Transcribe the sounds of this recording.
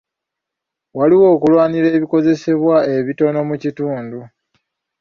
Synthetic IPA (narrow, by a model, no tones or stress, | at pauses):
waliwo̞ːkulwaːniɾe̞ːβiko̞ze̞se̞βwae̞βito̞no̞mucituːndu